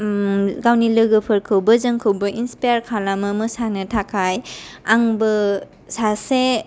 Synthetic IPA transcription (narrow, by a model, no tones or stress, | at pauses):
ɡawnilɯɡɯpʰɯɾkʰɯwbɐzəŋkʰɯwbɐʔinspajaɾkʰalamɯmɯsanɯtʰakʰajaŋbɯ | sase